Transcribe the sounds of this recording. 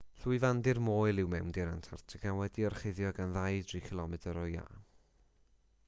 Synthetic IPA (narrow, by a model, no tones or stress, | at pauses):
ɬuɨvandɪrmoːjlˠɪwmɛwndɪɾantʰartʰɪɡʰanwɛdiɔrχeɨðjɔɡanðajdrikʰɪlˠɔmɛdəɾɔja̰ː